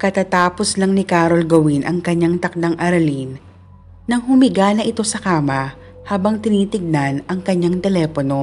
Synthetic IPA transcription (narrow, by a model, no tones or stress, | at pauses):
kɐt̪aːt̪aːposlɐŋnɪkaːɾo̞lɡɐwinʔɐŋkɐɲːaŋt̪ɐk̚d̪aŋʔɐɾɐlin | nɐŋhʊmɪɡaːnɐʔɪt̪o̞sɐkaːmɐ | haːbɐŋt̪ɪniːt̪ɪɡ̚nanʔɐŋkɐɲːaŋt̪ɛlɛːpono̞